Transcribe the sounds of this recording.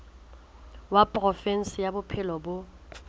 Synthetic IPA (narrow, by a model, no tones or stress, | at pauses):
wapʼrɔfɛn̩sɪjabʊpʰɪlɔbʊ